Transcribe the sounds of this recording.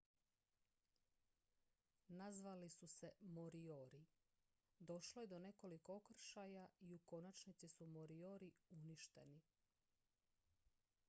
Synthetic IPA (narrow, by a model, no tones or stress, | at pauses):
nazʋalisuse̞moɾioɾi | d̪o̞ʃloje̞d̪o̞ne̞ko̞liko̞okr̩ʃajaiuko̞nat͡ʃnit̪sisumoɾioɾiuniʃt̪e̞̰ni